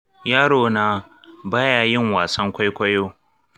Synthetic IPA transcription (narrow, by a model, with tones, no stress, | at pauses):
jaː˦ɽoː˦na˨ | baː˦jaː˨jɪ˦˨ŋwaː˨sɐ˦ŋkʷa˦jkʷɐ˦joː˦